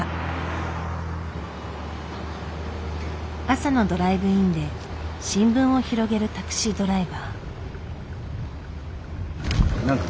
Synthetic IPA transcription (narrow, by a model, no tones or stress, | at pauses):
asano̞d̪o̞ɾaibɯ̟ĩnd̪e̞ɕĩmbɯ̟̃ɰ̃o̞çiɾo̞ɡe̞ɾɯ̟t̪akɯ̟̥ɕid̪o̞ɾaibaː | a